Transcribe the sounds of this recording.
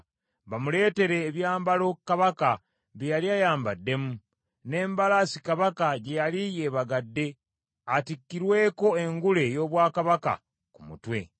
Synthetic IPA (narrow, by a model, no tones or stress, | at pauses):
βamule̞ːte̞ɾe̞ːβjaːmbalo̞kːaβaka | βijaliajaːmbadːe̞mu | ne̞ːmbalasikaβakaɟe̞jalijeːβaɡadːe̞ | atikːiɾwe̞ːko̞e̞ŋɡule̞jo̞ːβwaːkaβaka̰ | kumṵtwe̞̰